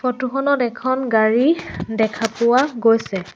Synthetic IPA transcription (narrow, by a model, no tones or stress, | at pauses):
fɔtuxɔnɔtɛkʰɔnɡaɹidɛkʰapʊwaɡojsɛ